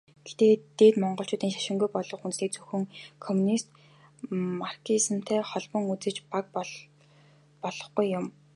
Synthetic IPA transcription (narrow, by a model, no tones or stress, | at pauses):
ɡ̥et̪eːt̪eːt̪mɔɴɢɞ̆ɬt͡ɕʰʊːt̪iːŋʃḁʃɪ̆ŋɡujpɔɮɞ̆χunniːk̚t͡sɵxɵ̆ŋkʰɔmunist̪ | markʰisə̆m̥t̪ʰæːχɔɮpɞ̆ŋut͡sɘ̆t͡ɕpak̚p | pɔɮ̥ɞ̆χɡujːʊm